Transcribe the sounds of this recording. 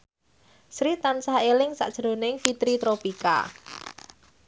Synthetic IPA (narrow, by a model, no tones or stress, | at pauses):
sɾit̪ansaelɪŋsa̰ʔd̥ʒ̥ɾo̤nɪŋfit̪ɾit̪ɾopika̰